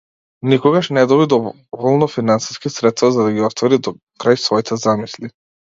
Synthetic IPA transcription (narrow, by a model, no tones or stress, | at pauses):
nikɔɡaʃnɛd̪ɔbid̪ɔ | vɔlˠnɔfinansi̥skisɾɛt̪st̪vazad̪aɡiɔst̪vɔɾid̪ɔ | kɾajsvɔit̪ʰɛzamisli